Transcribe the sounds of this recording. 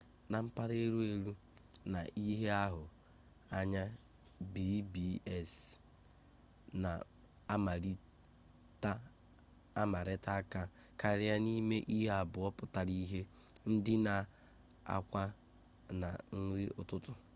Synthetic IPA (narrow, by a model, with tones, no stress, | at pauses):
na˨m̩˦pa˦ɾe˦ɾu˦e˨ɾu˦ | na˨ʔi˦ɦe˦a˦ɦʊ˨ | a˦ɲa˦ | bi˦bi˦e˦s | na̰˨˦ | ma˨ɾi˦ | ta˦ | a˦ma˨ɾɪ˦ta˦ka˦ | ka˨ɾɪ˦a˦ni˦me˦ʔi˦ɦe˦a˨bʊ˨ɔ˦pʊ˨ta˨ɾi˦ɦe˦ | n̩˦dɪ˦na˨ | a̰˨kʷa˦ | na̰˨n̩˦ɾɪ˦ʔʊ̰˨tʊ˦tʊ˦